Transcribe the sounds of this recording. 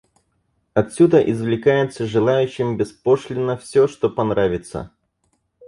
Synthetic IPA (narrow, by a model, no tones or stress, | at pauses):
ɐt̪sʲud̪əʔɪzvlʲɪkajɪt̪səʐɨlˠajʉɕːɪmbʲɪspoʂlʲɪnːəfsʲoʂt̪opɐnɾavʲɪt̪sə̰